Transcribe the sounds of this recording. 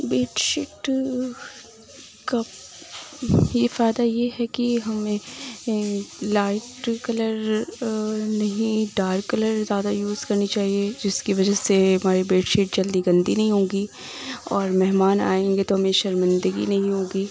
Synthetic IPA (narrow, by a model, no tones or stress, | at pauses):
beːʈʃɪʈ | ka | jefaːɪd̪ajeɦɛkiɦɐmẽ | laːɪʈkɐləɾ | nɐɦĩɖaːɾkɐləɾzjaːd̪ajuːzkɐɾnit͡ʃaːɦied͡ʒɪskiʋɐd͡ʒəseɦɐmaːɾibeːʈʃiʈ̚d͡ʒɐld̪iɡɐ̃nd̪inɐɦĩɦõːɡiː | ɔːɾmɛɦmaːna̰ːẽːŋɡet̪oɦɐmẽʃɐɾmɪ̃nd̪əɡḭnɐɦĩɦõːɡiː